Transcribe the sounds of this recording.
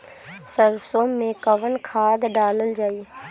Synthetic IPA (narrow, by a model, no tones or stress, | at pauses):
səɾsoːmːẽkəʋənkʰaːd̪ɖaːləld͡ʒaːi